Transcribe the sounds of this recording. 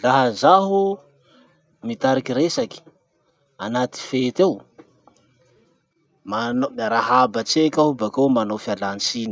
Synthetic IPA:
laɦəzaɦu | mit̪aɾikiɾesaki̥ | anat̪i̥fet̪ew | manomaɾaɦabat͡sekʲaɦubakewmanofialant͡sini

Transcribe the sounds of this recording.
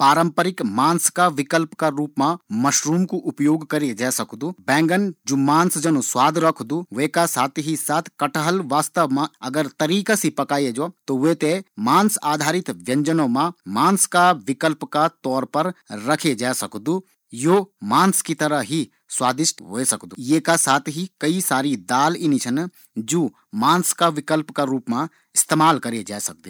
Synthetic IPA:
paːɾə̃mpəɾɪkmaːnskaʋɪkəlpkaɾuːpmãmɐʃɾuːmkuʔʊpjoːɡkɐɾid͡ʒaːsɐkd̪uːbɛ̃ːŋɡənd͡ʒoːmaːnsd͡ʒɐnõswaːd̪ʱɾɐkʰd̪uʋeːkasaːt̪ʰɦisaːt̪ʰkɐʈʰəɦəlʋaːst̪əʋmãɐɡəɾt̪ɐɾiːkasipɐkaːjed͡ʒot̪oʋeːt̪emaːnsaːd̪ʱaːɾɪt̪ʋjɐ̃ɲd͡ʒənõmãmaːnskaʋɪkəlpkat̪ɔːɾpɐɾɾɐkʰed͡ʒaːsɐkd̪u | joːmaːnskit̪ɐɾəɦɦi | swaːd̪ɪʃʈ̪ɦoesɐkd̪ujeːkasaːt̪ʰɦikɐisaːɾid̪aːlinit͡ʃʰɐn | d͡ʒoː | maːnskaʋɪkəlpkaɾuːpmã | ɪst̪eːmaːlkɐɾed͡ʒaːsɐk̚d̪u

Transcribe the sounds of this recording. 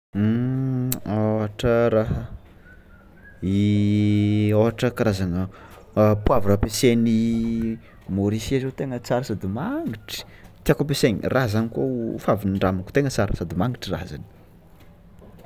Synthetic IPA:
aɦaʈ͡ʂəɾaɦə | i | oɦaʈ͡ʂəkaɾazaŋə | puavuɾapeseni | moɾisiazet̪eŋət͡saɾəsad̪imaŋɡiʈ͡ʂi̥ | t̪iakop̬eseɲirʔazanikafaviniɳɖ͡ʐamaku̥t̪eŋət͡saɾəsad̪imaŋɡiʈ͡ʂira̰za̰ni̥

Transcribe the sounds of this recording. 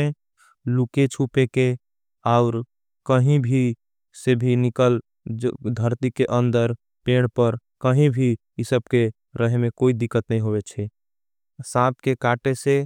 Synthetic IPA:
e | luket͡ʃʰupeke | aʊɾ | kəɦĩbʱi | sebʱinɪkəl | d̪ʱəɾt̪ikeʔə̃nd̪əɾ | peːɽ̃pəɾkəɦĩbʱi | ɪsəb̚ke | ɾəɦemẽkoid̪ɪkːət̪nəɦĩɦobet͡ʃʰɛ | sãp̚kekaʈese

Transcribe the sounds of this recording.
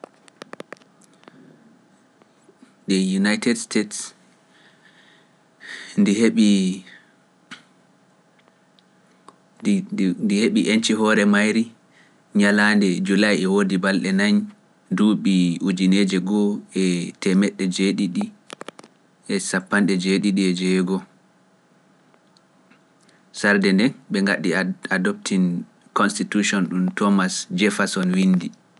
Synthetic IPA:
dɛjunajtɛdstʰets | ndiheɓi | ndiheɓiʔent͡ʃiɦɔɾɛmajɾi | ɲalandɛd͡ʒulajɛwodibalɗɛnaɲ | duɓiud͡ʒined͡ʒɛɡɔɛtɛmɛɗːɛd͡ʒeɗiɗi | ʔɛsapːanɗɛd͡ʒeɗiɗiɛd͡ʒɛɡɔ | saɾdɛndɛnɓɛŋɡaɗiadɔp̚tʰin | kɔnstituʃɔnɗumtʰɔmasd͡ʒɛfasɔnwindi

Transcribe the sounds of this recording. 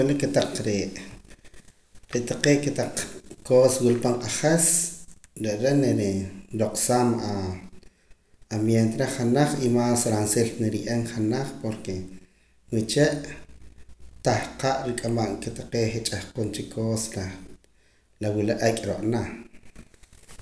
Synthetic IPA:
welikːet̪aq͡χɾeʔ | ɾeʔt̪aqeːket̪aq͡χkoːswilpaɴqʼaχes | ɾeʔɾeʔneɾɾoqsaːma | mjent̪eɾeχanaχimaːsɾanselneɾiʔeŋχanaχpoɾke | wit͡ʃeʔ | t̪ahqaʔɾikʼamaʔŋket̪ḁqeːχet͡ʃʼahqont͡ʃikʰoːsa | lawilaʔekʼɾoʔʼna

